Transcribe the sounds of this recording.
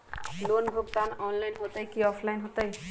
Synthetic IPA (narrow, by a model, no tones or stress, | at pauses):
lonbʱukt̪anɔnlajnɦot̪ajkiɔpʰlajnɦot̪aj